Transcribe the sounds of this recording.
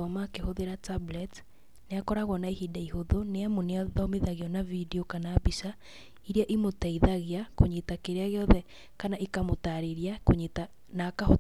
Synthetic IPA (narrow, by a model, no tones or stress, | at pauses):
ɔmakehoðeɾatablɛt | neakɔɾaɣwɔnaeɦidaiɦoðoneamoneɔðɔmeðaɣeɔnavideokanaːbisa | iɾeaʔimotaiðaɣeakoɲetakeɾeaɣeɔðɛ | kanaʔikamotaɾeɾjakoɲeta | nakaho